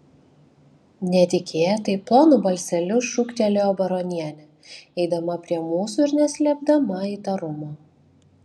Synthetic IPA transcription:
nʲɛt̪ʲɪkʲeːjɛt̪ɐɪplˠoːnubɐlʲsʲɛlʲʊʃʊkt̪ʲɛlʲoːbɐɾɔnʲiɛnʲɛ | ɛɪd̪ɐmɐpʲɾʲiɛmuːsuɪɾnʲɛsʲlʲɛb̚d̪ɐmɐiːt̪ɐɾʊmoː

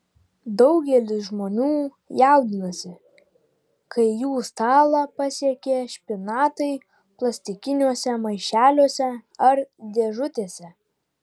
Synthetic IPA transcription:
d̪ɒʊɡʲɛlʲɪsʒmoːnʲuː | jɑˑʊd̪ʲɪnɐsʲɪ | kɐɪjuːst̪ɑːlˠɑpɐsʲiɛkʲeːʃʲpʲɪnɑːt̪ɐɪ | plˠɐsʲt̪ʲɪkʲɪnʲuɔsʲɛmɐɪʃʲæːlʲoːsʲɛɐɾd̪ʲeːʒʊt̪ʲeːsʲɛ

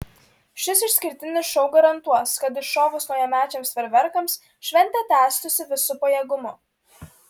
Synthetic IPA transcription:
ʃʲɪsɪʃʲsʲkʲɪɾʲt̪ʲɪnʲɪsʃɐʊɡɐɾɐnˑt̪uɔskɐt̪ɪʃʃoːʋʊsnɔʊjɛmʲæːt͡ʃʲɛmsʋʲɛɾʲʋʲɛɾkɐms | ʃʲʋʲɛnʲt̪ʲɛt̪ʲæːˑst̪ʊsʲɪʋʲɪsʊpɐjɛːɡʊmʊ

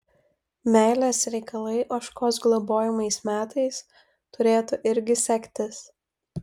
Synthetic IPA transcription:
mʲæɪlʲesɾʲɛɪkɐlˠɐɪʔoːʃkoːs̬ɡlˠoboːjɪmɐɪsmʲæːt̪ɐɪs | t̪ʊɾʲeːt̪ʊʔɪɾʲɡʲɪsʲɛkʲt̪ʲɪs

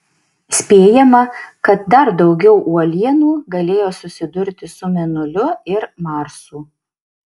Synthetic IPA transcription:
sʲpʲeːjɛmɐkɐt̪̚d̪ɐɾd̪ɒʊɡʲɛʊʔuɔlʲiɛnuːɡɐlʲeːjoːsʊsʲɪd̪ʊɾʲt̪ʲɪsʊmʲɛnʊlʲʊɪɾmɑˑɾsuː

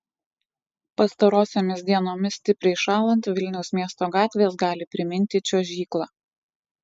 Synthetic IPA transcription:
pɐst̪ɐɾoːsʲoːmʲɪsʲd̪ʲiɛnoːmʲɪsʲt̪ʲɪpʲɾʲɛɪʃɑːlˠɐnʲt̪ʋʲɪlʲnʲɛʊsmʲiɛst̪oːɡɑːt̪ʲʋʲeːs̬ɡɑːlʲɪpʲɾʲɪmʲɪnʲˑt̪ʲɪt͡ʃʲoːʒʲiːklˠɑː

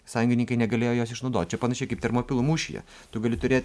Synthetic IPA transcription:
sɑːjʊŋʲɡʲɪnʲɪŋkɐɪnʲɛɡɐlʲeːjoːjoːsɪʃnɒʊd̪oːt̪̚ʲt͡ʃʲɛpɐnɐʃʲɛɪkɐɪp̚t̪ʲɛɾmoːpʲɪlˠʊmuːʃʲɪjɛ̰ | t̪ʊɡɐlʲɪt̪ʊɾʲeːt̪ʲ

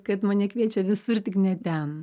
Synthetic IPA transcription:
kɐt̪mɐnʲɛkʋʲiɛt͡ʃʲɛʋʲɪsʊrt̪ʲɪknʲɛt̪ʲɛn

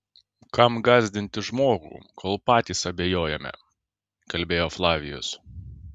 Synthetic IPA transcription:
kɐmɡɑːzʲd̪ʲɪnʲt̪ʲɪʒmoːɡṵːkʰoːlˠpɑːt̪ʲiːsɐbʲejoːjɛmʲɛ̰ | kɐlʲbʲeːjoːflˠɑːʋʲɪjʊ̰s

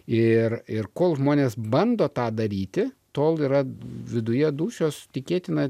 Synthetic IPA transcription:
ɪrɪrkoːlˠʒmoːnʲeːsbɐnd̪oːt̪ɑːd̪ɐɾʲiːt̪ʲɪ | t̪oːlˠiːɾɐʋʲɪd̪ʊjɛd̪uːʃʲoːst̪ʲɪkʲeːt̪ʲɪnɐ

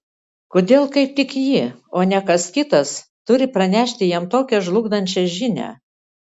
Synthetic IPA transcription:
koːd̪ʲeːlˠkɐɪp̚t̪ʲɪkjɪoːnʲɛkɐskʲɪt̪ɐst̪ʊɾʲɪpɾɐnʲæːʃʲt̪ʲɪjiɛmt̪oːkʲɛʒlˠʊɡd̪ɐnʲt͡ʃʲɛʒʲɪnʲæ̰ː

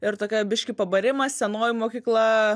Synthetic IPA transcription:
ɪɾt̪oːkʲɛbʲɪʃʲkʲɪpɐbɐɾʲɪmɐsʲɛnoːjɪmoːkʲiːklˠɐ

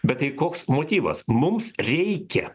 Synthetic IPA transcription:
bʲɛt̪ɐɪkoːksmoːt̪ʲiːʋɐ̰smʊmsɾʲɛɪkʲɛ

